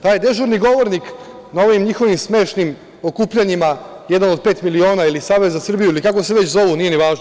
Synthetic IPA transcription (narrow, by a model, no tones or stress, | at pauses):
t̪aːjd̪e̞ʒuɾniɡo̞ʋoɾnik | naoʋimɲixo̞ʋimsme̞ːʃnim | o̞kuːpʎaɲima | jɛd̪anod̪̚pe̞ːt̪milio̞ːnailisaːʋezzasr̩bijuilikakoseʋet͡ɕzo̞ʋunije̞neʋaːʒno